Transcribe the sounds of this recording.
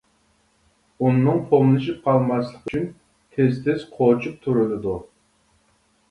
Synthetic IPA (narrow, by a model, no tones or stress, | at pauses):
unːɨŋpʰomlˠɨʃip̚qʰɑlˠmɑslˠəqʰət͡ʃʰyn | t̪ʲʰezt̪ʰɪz̥qʰot͡ʃʰup̚t̪ʰuɾɪlɪd̪u